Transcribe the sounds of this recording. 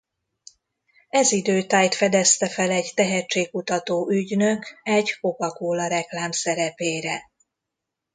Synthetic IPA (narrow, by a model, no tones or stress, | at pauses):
ɛzid̪øːt̪aːjt̪fɛd̪ɛst̪ɛfɛlɛɟt̪ɛɦɛt͡ʃeːkkut̪ɒt̪oːʔyɟnø̞kɛɟko̞kɒkoːlɒɾɛklaːmsɛɾɛpeːɾɛ